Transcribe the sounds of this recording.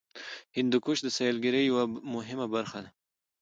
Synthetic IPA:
hɪnd̪ukuʃd̪əsajalɡɪɾəjawamʊɦɪmabaɾxad̪a

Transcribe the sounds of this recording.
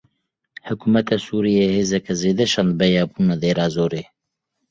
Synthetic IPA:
hʊkuːmɛt̪ʰɑːsuːɾijeːheːzɛkɛzeːd̪ɛt͡ʃɑnd̪̚bɛjɑːbuːnad̪eːɾɑːzoːɾeː

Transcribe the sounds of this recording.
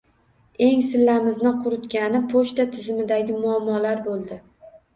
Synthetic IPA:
e̞ŋsɪlːamɪznɪqʰʊɾʊt̪kʲanɪpʰoʃt̪at̪ʰɪzɪmɪd̪aɡʲɪmʊamːɒlaɾbolˠd̪ɪ

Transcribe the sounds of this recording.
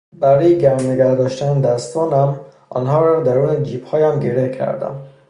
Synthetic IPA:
bæɾɒːjeɟæɾmneɡæɾd̪ɒːʃt̪æned̪æst̪ɒːnæmʔɒ̰ːnɦɒːɾɒd̪æɾuːned͡ʒiːphɒːjæmɟeɾehkʰæ̰ɾd̪æ̰m

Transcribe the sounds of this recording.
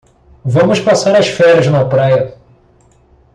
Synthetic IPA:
vɐ̃mʊspasaɾɐʃfɛɾɐznɐpɾajɐ

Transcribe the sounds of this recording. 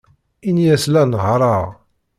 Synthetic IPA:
injæslænʁɾˤɑʁ

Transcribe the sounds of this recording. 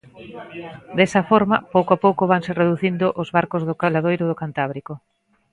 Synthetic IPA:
d̪esɐfɔɾmɐ̰powkoapowkʊβaŋsereðuθind̪ʊʔozβaɾkozðʊkalaðojɾʊðʊkant̪aβɾikʊ

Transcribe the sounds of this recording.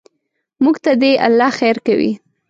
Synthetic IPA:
muɡt̪ad̪eʔa̰lːɑxejɾkawḭ

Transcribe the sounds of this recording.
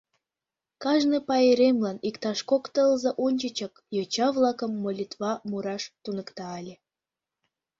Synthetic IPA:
kɑʒnɨpɑjeɾemlɑnikt̪ɑʃkokt̪əlzɤʔonʲt͡ɕət͡ɕək | jot͡ɕɑβlɑkə̆mːolʲit̪βɑmuɾɑʃt̪unəkt̪ɑːlʲe

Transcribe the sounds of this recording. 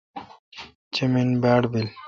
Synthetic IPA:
t͡ɕeminbaːɽbil

